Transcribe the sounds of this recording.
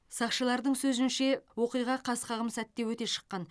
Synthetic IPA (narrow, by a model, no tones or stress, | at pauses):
sɑqʃəlˠɑɾd̪əɴsɵzɪnʃe̞wo̞qijʁɑqʰɑsqʰɑʁəmsæt̪ːe̞wɵt̪e̞ʃə̥qːɑn